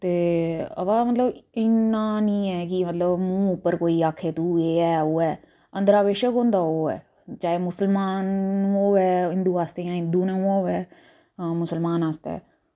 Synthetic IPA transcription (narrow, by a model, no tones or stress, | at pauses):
t̪eːə̰ʋamət̪ləbɪnnːãːnĩːɛːkɪmət̪ləbmũːʊpːəɾkoːiːaːkʰeːt̪uːeːɛːoːɛː | ə̃nd̪əɾaːʋeːʃəkɦõːnd̪aːoːɛ̰ː | t͡ʃaːeːmʊsəlmaːñːoːʋɛːɦɪnd̪uːaːst̪eãːɦɪ̃nd̪uːnãːoːʋɛː | mʊsəlmaːnaːst̪ɛ̰ː